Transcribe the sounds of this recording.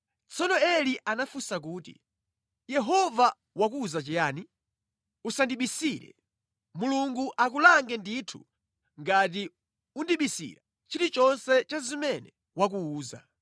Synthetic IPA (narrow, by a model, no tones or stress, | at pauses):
t͡sɔnɔɛliʔanafusak̬uːtḭ | jɛɦɔva | wakuːzat͡ʃɛjaːni | usandiɓisiɾɛ̰ | muluŋɡuʔak̬ulaŋɡɛnditʰu̥̰ | ŋɡat̬i | undiɓisḭɾa | t͡ʃiɾit͡ʃɔnsɛt͡ʃazimɛnɛ | wak̬uuːza̰